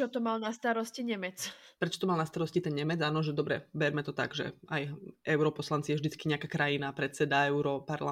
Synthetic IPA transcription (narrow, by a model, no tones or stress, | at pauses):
ɔt̪ɔmalnast̪aɾɔsciɲɛmɛt͡spɾɛt͡ʃɔ̥t̪ɔmalnast̪aɾɔscit̪ɛnɲɛmɛd͡zaːnɔʒɛd̪ɔbɾɛ̰bɛɾmɛt̪ɔt̪a̰ɡʒɛ̰ajɛʊɾɔpɔslant͡sijɛvʒd̪it͡skiɲɛakaːkɾajinapɾɛt̪t͡sɛd̪aɛʊɾɔpaɾla